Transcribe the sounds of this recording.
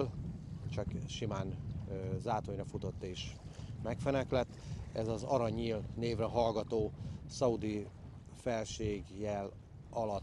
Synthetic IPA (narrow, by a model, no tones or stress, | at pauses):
lt͡ʃɒkʃimaːnøzaːt̪oɲrɒfut̪o̞t̪ːeːʃmɛkfɛnɛklɛt̪ːɛzɒzɒɾɒɲiːlneːvrɛɦɒlɡɒt̪oːsɒud̪i | fɛlʃeːɡjɛl | ɒlɒt̪ː